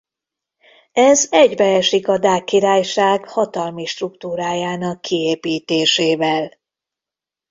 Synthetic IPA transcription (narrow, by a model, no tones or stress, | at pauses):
ɛzɛɟbɛɛʃikɒd̪aːkːiɾaːjʃaːɡhɒt̪ɒlmiʃt̪rukt̪uːɾaːjaːnɒkːieːpiːt̪eːʃeːvɛl